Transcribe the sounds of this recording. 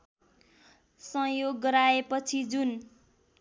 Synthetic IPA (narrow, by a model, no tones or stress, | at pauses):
sʌ̃joɡːʌɾaepʌt͡sʰid͡zun